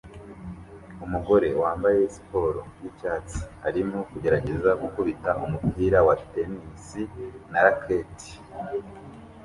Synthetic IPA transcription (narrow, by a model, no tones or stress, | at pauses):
umuɡo̞ɾe̞waːmbaje̞si̥po̞ːɾo̰jicaːt͡si̥haɾimokuɟe̞ɾaɟe̞zaɡukuβitaʔumupiːɾawate̞nisinaɾakʰeti̥